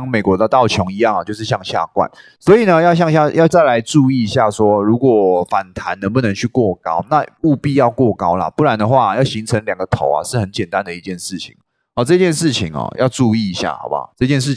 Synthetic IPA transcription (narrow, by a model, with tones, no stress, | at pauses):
ŋme˨˩ɪkwɔ˧˥d̪ə˧t̪ɑ˥˩ʊt͡ɕʰjɔ˧˥ŋi˧˥jɑ˥˩ŋɐ˨˩t͡ɕo˥˧ʊʂɻ̩˥˧ɕjɑ˥˧ŋɕja̰˥˧kwa̰˥˩n | swɔ˧˥i˨˩nə˦jɑ˥˧ʊɕ̬jɑ˥˧ŋɕja˥˩˨jɑ˥˧ʊt͡sa˥˩ɪla˧˥ɪʈ͡ʂu˥˧i˥˩i˧˦ɕja˥˩swɔ˦ɻu˧˥kwɔ˨˩fa˨˩nt̪ʰa˧˦nnə˧˥ŋpu˥˩nə˧˥ŋt͡ɕʰy˥˧kwɔ˥˩kɑ˥ʊna˥˨u˥˧pi˥˧jɑ˥˧ʊkwɔ˥˩kɑ˥ʊla̰˨pu˥˩ɻa˧˦nd̪ə˨xwa˥˩˨jɑ˥˩ʊɕi˧˥ŋt͡sʰə˧˥ŋljɑ˨˩ŋɡə˦t̪ʰo˨˥ʊa̰˨˩ʂɻ̩˥˩xə˧˦nt͡ɕjɛ˨˩nt̪a˧˦nd̪ə˨i˧t͡ɕjɛ˥˧nʂɻ̩˥˩t͡ɕʰḭ˨˩ŋ | ɔ˨˩ʈ͡ʂɤ˥˧t͡ɕjɛ˥˧nʂɻ̩˥˩t͡ɕʰi˨˩ŋɐ̰˨˩jʔɑ˥˧ʊʈ͡ʂu˥˧i˥˩i˧˥ɕja̰˥˩xa˨˧˦ʊba̰˨˦ʈ͡ʂɤ˥˧t͡ɕjɛ˥˧nʂ̬ɻ̩˥˩